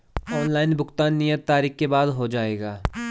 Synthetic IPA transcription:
ɔːnlaːɪnbʱʊkt̪ãːnːɪjət̪ːaːɾiːkkeːbaːd̪ɦoːd͡ʒaːeːɡaː

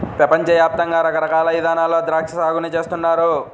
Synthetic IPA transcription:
pɾɐpɐɲt͡ʃɐʋjaːp̚t̪ɐŋɡaːɾɐkɐɾɐkaːlɐʋid̪ʱaːnaːlo̞ːd̪ɾaːkʂɐsaːɡunɐt͡ʃe̞ːst̪unːaːɾu

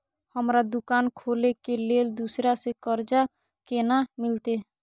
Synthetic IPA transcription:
həmɾad̪ʊkaːnkʰoːlekeleːld̪usɾasekəɾd͡ʒa | keːnamɪlt̪e

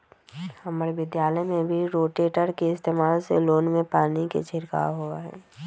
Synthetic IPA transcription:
hɐmːɾeʋɪd̪jaːləjmẽbʱiɾoːʈeːʈəɾkeɪst̪eːmaːlsḛloːnmẽpaːnikḛt͡ʃʰɪɾka̰ɦoa̰ɦɛ̰ː

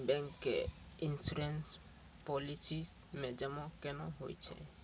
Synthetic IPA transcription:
bɛ̃ŋkːeinsuɾens | pɔlisis | mẽd͡ʒɛmɔ̃kɛnɔ̃ɦojt͡ʃʰɛ̰

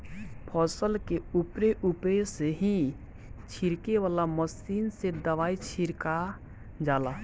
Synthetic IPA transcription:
pʰɔːsəlkeupɾeʔupɾeseɦĩ | t͡ʃʰiɾkeʋaːlaməsiːnsed̪əʋaːit͡ʃʰiɾka | d͡ʒaːlaː

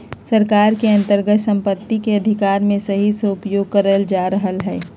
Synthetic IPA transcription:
səɾkaːɾkeɐ̃nt̪əɾɡət̪sə̃mpət̪ːikeɐd̪ʱɪkaːɾmẽsɐɦiseʊpjoːɡ̚kəɾəld͡ʒaːɾəɦəlɦɛː

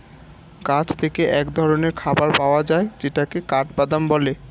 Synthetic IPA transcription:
kat͡ɕt̪ʰekeʔɛkd̪ʱɔɾoneɾkʰabaɾpaoad͡ʑaed͡ʑeʈakekaʈ̚bad̪ambɔle

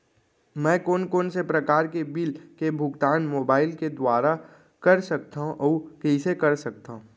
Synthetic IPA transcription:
mɛ̃ːkoːnkoːnsepɾɐkaːɾkebɪlkebʱʊɡt̪aːnmoːbaːɪlked̪waːɾa | kɐɾsɐk̚t̪aɦũʔɔːkɐisekɐɾsɐk̚t̪aɦũ

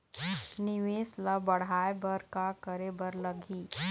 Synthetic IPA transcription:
nɪʋeːslabəɽ̤aːjebəɾkakəɾebəɾləɡʱiː

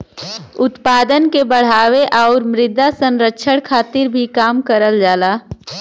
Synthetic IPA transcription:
ʊt̪paːd̪ənkebəɽ̤aːweʔaʊɾmɾɪd̪ʱasə̃nɾəkʃʰəɽkʰaːt̪ɪɾbʱikaːmkəɾəld͡ʒaːlaː

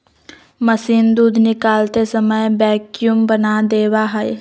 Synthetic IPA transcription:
mɐsiːnd̪uːd̪ʱnɪkaːlt̪esəməjbɛːkjumbɐnad̪eːwaɦəj

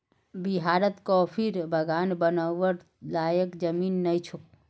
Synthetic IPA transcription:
biɦaɾət̪kɔpʰiɾbʱəɡanbənəʋəɾ | lajəkd͡ʒəminːəjt͡ʃʰuk̚

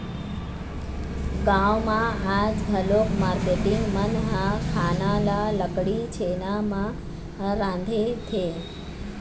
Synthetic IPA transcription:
ɡãʋmãad͡ʒɡʱəlokʰmaɾkeʈɪŋɡmənɦãkʰaːnalaləkɽit͡ʃʰenamã | ɾãːnd̪ʱet̪ʰe

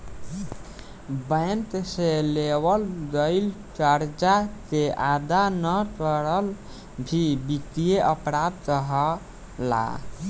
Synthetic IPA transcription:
bəjnt̪selewəld̪əɪl | t͡ʃaɾd͡ʒat̪eʔad̪anət͡ʃəɽəl | bʱibikt̪ijeʔəpɾad̪̚təɦə | la̰

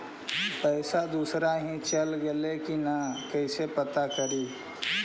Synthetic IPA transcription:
pəɪsad̪usɾaɦĩt͡ʃəlɡelekinakɛɪsepət̪akəɾi

